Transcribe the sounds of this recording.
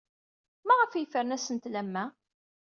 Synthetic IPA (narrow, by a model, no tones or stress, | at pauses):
mæʁəfjəfəɾnæsənt̪læmːæ